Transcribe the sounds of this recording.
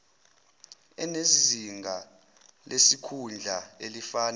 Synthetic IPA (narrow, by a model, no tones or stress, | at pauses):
ɛ̰neziŋɡʱa | lʔesikʰund͡ɮʱaelifaːn